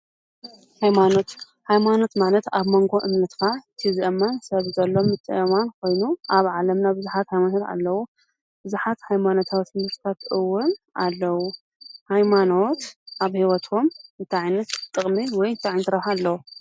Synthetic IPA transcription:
hajmano̞t̪ | hajmano̞t̪malɐt̪aβmoŋɡo̞ʔɨmnɐt̪kʰat̪ʰizʔɐmansɐβzɐlːo̞mːɨt̪ʼːɨ̰ʔɐmankʰo̞jnuʔaβʕalɐmnabɨzuħat̪hajmanot̪a̰lːɐwu | b̥ɨzuħat̪hajmano̞t̪ʰawt̪ɨnɨɾt̪ʰat̪ɨwːʊnʔalːɐwu | hajmano̞t̪ʔaβhiwɐt̪ʰomɨnt̪ʰaʕajnɐt̪ːʼɨχʼmiwɔjɨnt̪ʰaʕajnt̪ʰɨɾɐħalːɐwu

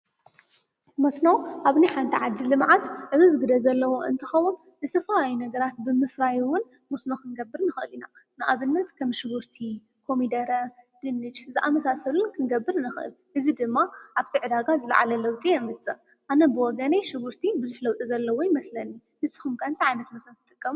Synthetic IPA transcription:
mɐsnowʔaβniħant̪ʰiʕad̪ːilɨmʕat̪ʕɨzizɨɡɨd̪ɐzɐlːɐwo̞ʔɨ̰nt̪ʰɨxɐwun | zɨt̪ʰɐfɐlajunɐɡɐɾat̪̚bɨmɨfɾajwʊn | mɐsnoxɨnɡɐbːɨɾnɨxʔɨlinanɨʔaβɨnːɐt̪kʰɐmʃɨβuɾt̪ʰi | kʰo̞mid̪ɐɾɐd̪̥ɨnːɨt͡ʃzɨʔamɐsasɐlɨnkʰɨnɡɐbːɨɾnɨxɨʔɨ̰l | ʔɨzid̪ɨmːaʔaβt̪ʰiʕɨd̪aɡazɨla̰ʕa̰lɐlɐwt̪ʼiɛmɨt͡s̪ʼɨ | ʔanɐbɨwɔɡɐneʃɨβuɾt̪ʰibɨzuħlɐwt̪ʼizɐlːɐwojɪmɐslɐnːi | nɨsːi̥xumkʰaɨnt̪iʕajnɐt̪mɐsnot̪ʰɨt̪ʼɨkʼːɐmu

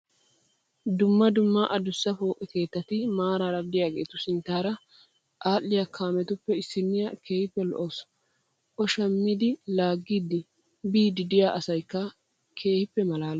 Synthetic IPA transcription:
d̪ʊmːɐd̪ʊmːaʔɐd̪ʊsːɐfo̞ːkʼɛke̞ːt̪ːɐt̪ɪmaːɾaːɾɐd̪ɪjaːɡḛːt̪ʊsɪnt̪ːaːɾɐ | ʔaːlːɪjakʰaːmɛt̪ʊpːɛɪsːɪnːɪjɐke̞ːhɪpːɛlɔ̰ʔos | ʔɔʃɐmːɪd̪ɪlaːɡːiːd̪ɪ | biːd̪ɪd̪ɪjaːʔɐsɐjkːɐ | kʰe̞ːhɪpːɛmɐlaːl

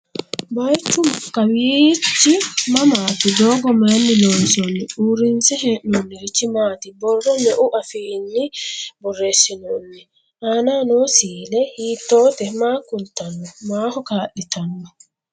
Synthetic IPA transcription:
bɐjt͡ʃːʊkːɐwiːt͡ʃːɪmɐmaːt̪ɪd̪oːɡɔmɐnːɪloːnsɔnːɪʔuːɾɪnsɛɦeːʔnɔnːɪɾɪt͡ʃːɪmaːt̪ɪbɔrːɔmɛʔʊʔɐfiːnːɪbɔrːe̞ːsːɪnonːɛ | ʔaːnaːnoːsiːlɛhiːt̪ːo̞ːt̪ɛmaːkʊnt̪ɐnːɔmaːhɔkaːʔɪt̪ɐnːɔ

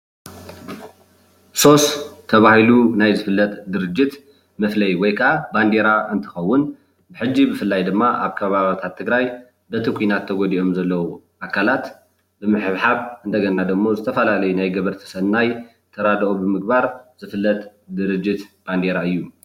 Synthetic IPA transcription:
so̞st̪ʰːɐβahilunajzɨfɨlːɐt̪d̪ɨɾɨd͡ʒːɪt̪ | mɐflɐjwɔjkʰɐʔaband̪e̞ɾaʔɨnt̪ʰɨ̥xɐwːʊn | bɨħɨd͡ʒːibɨfɨlːajd̪ɨmːaʔaβkʰɐβaβt̪ʰat̪ʰːɨɡɾaj | bɐt̪ʰikʷʰinat̪ʰːɐɡɔd̪iʔo̞mzɐlːɐwu | ʔakʰːalat̪ | bɨmɨħɨβħaβɨnd̪ɐɡɐnnad̪ɨmːo̞zɨt̪ʰɐfɐlalɐjunajɡɐβɨɾt̪ʰi̥sɐnaj | t̪ʰɐɾad̪ʔobɨmɨɡ̚baɾz̥ɨfɨlːɐt̪ | d̪ɨɾɨd͡ʒːɪt̪b̥and̪e̞ɾaɨjːu

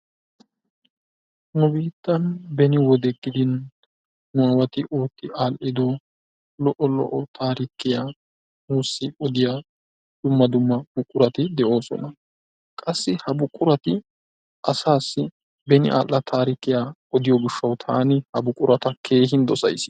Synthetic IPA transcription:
nʊbiːt̪ːɐnbɛnɪwɔd̪ɛɡʼːɪd̪ɪnː | ʊaːwɐt̪ɪʔoːt̪ːɪʔaːlʔɪd̪ɔ | lɔʔɔlɔ̰ʔɔt̪ʰaːɾɪkːɪja | muːsːɪɔd̪ɪjaː | d̪̥ʊmːɐd̪ʊmːɐb̥ʊkʼːʊɾɐt̪ɪd̪ɛʔo̞ːsɔ̰nɐ | kʼɐsːɪhɐbʊkʼːʊɾɐt̪ɪ | ʔɐsaːsːɪ | bɛnɪ̰ʔa̰ːlːɐt̪ʰaːɾɪkːɪjaːɔd̪ɪjɔɡɪʃːɐwt̪ʰa̰ːnɪhɐbʊkʼːʊɾɐt̪ɐkʰe̞ːɦɪnd̪ɔsɐ̰jsɪ̥

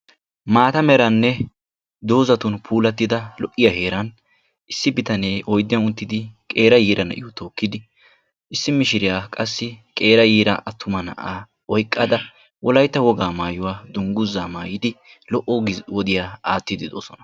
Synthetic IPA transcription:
maːt̪ɐmɛɾɐnːɛ | d̪o̞ːzɐt̪ʊnpʰuːlɐt̪ːɪd̪ɐlɔʔːɪjɐhe̞ːɾɐn | ʔɪsːɪbɪt̪ɐneːʔɔjd̪ːɪjɐnʊnt̪ːɪd̪ɪkʼe̞ːɾɐjiːɾɐnɐ̰ʔɪwɔt̪o̞ːkːɪd̪ɪ | ʔɪsːɪmɪʃɪɾɪjaːkʼɐsːɪkʼe̞ːɾɐjiːɾɐʔɐt̪ːʊmɐnɐ̰ʔaː | ɔjkʼːɐd̪ɐ | wʔɔlɐjt̪ːɐwɔɡaːmaːjʊwaːd̪ʊŋɡʊzːaːmaːjɪd̪ɪ | lɔʔɔɡwɔd̪ɪjaːaːt̪ːɪd̪ɪd̪o̰ːsɔnɐ

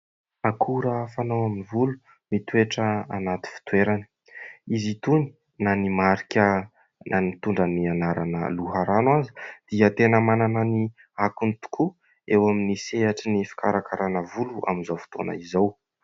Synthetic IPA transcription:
akʰuɾəfanowaminivulu | mit̪ueʈ͡ʂəanat̪i̥fi̥t̪weɾani̥ | izit̪uni̥ | nanimaɾikʲə | nʔanimit̪uɳɖ͡ʐanianaɾa̰nə̰luɦaɾanwazi̥d̪̥iət̪enəmananani | akunit̪u̥kʰu | ewaminiseaʈ͡ʂinifi̥kaɾakaɾanəvuluʔa̰minzawfi̥t̪o̰na̰izaw

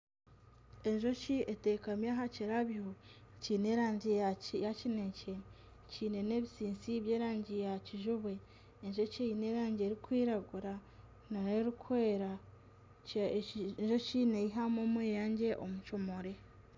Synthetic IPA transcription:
e̞ɲʒo̞ciʔetekamjaːɦaciɾaβihociːneɾaːɲɟijacinece | ciːne̞ne̞ːβisiːnsiβjeːɾaːɲɟijaciʒuβwe̞ː | ɲʒo̞ceineːɾaːɲɟeɾikwiːɾaɡuɾa | naɾeɾukweːɾa | ɲʒo̞cinejiɦamoːmweːjaːɲɟe̞ʔomut͡ʃomo̞ɾe̞

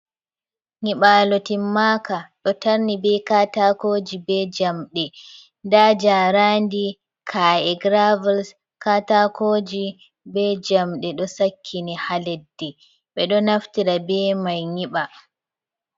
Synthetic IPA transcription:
ŋiɓaːlɔtimːakaɗɔtaɾnibɛkatakoːd͡ʒibɛd͡ʒamɗɛ | ndaːd͡ʒaɾaːndi | kʰajɛɡɾavals | katakod͡ʒi | bɛd͡ʒamɗɛɗɔsakʰːinihalɛdːɛ | ɓɛɗɔnaftiɾabɛmajŋiɓa

